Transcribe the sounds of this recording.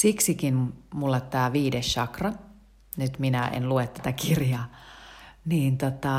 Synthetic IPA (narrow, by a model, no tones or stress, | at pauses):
siksikinmulːet̪t̪æːʋiːdesʃɑkrɑ | nyt̪minæḛnluet̪ːæt̪ækirjɑː | niːnt̪ot̪ɑ